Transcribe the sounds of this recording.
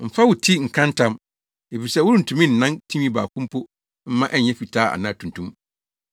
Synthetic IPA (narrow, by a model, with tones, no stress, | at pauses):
m̩˨fa˦wʊ˨tʰi˦ŋ̩˨kʰã˦n̩˦tʰã˦m | e˨fi˨sɛ˦wʊ˦ɾũ˦n̩˨tʰũ˦mĩ˦n̩ː˨ã˦ntʰi˦mĩ˦ba̰ː˨kʰʊ̃˦m˦pʰʊ˦ | m̩˦mã˦ʔɛ˦ɲ˨ɲɛ̃˦fi˨tʰaː˦a̰˨nã˦˨tʰũ˨ntʰũ˦m